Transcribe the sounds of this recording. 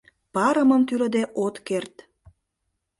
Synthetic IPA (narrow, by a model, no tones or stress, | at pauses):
pɑɾə̆mə̆mt̪yɾə̆d̪eʔot̪kert̪